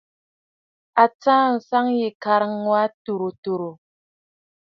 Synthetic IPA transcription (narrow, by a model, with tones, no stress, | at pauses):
a˨t͡sãː˦n̩˨sa˦ŋje˨ka˨ɾŋŋwa˦tu˨ɾo˨to˨ɾo˨